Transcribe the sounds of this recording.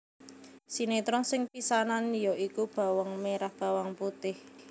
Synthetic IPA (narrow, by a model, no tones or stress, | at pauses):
sinet̪ɾɔŋsɪŋpisananjɔʔikub̥a̤wɔŋmeɾahb̥a̤waŋput̪ɪh